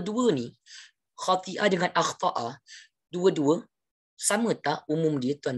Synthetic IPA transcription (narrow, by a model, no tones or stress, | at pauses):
duəni | xat̪iʔadəŋanʔaxt̪ɑʔa | duəduə | samət̪aʔumumdiət̪uan